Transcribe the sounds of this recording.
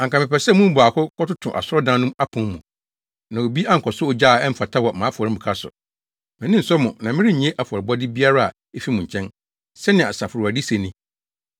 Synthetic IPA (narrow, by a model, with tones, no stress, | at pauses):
ã˨ŋ˨kã˨mɪ̃˨pɛ˨sɛ˦mũ˦m˦bʊ˨a˨kʰʊ˦kʰɔ˦tʊ˦tʰʊ̰̃˨ʔa̰˨sʊ˦ɔ˦dã˦nʊ̃˦ma˦pʰʊ̃˨mːṵ̃˨ | nã˨o˨bi˦a˦ŋ̩˨kʰɔ˨sʊ˦o˨d͡ʑaː˦˨ɛ˦m̩˦fa˨tʰa˦wɔ˨mã˨˦fɔ˨ɾɪ˦˨bu˨kʰa˦sʊ̰˨ | mɪ̃˨nɪ̃˦n̩˨sɔ˦mʊ̃˨nã˨mɪ̃˦ɾɪ˦˨ɲĩ˨˦e˦ʔa˨fʊ˨ɔ˨ɾɪ˨bɔ˦dɪ˦bi˦a˦ɾa˦a̰˨ | e˦fi˦mʊ̃˨ɲ̩˨t͡ɕʰɛ̃˦n | sɛ˦nɪ̃˨a̰˨sa˨fʊ˨ɾu˨a˨di˦se˨nĩ˦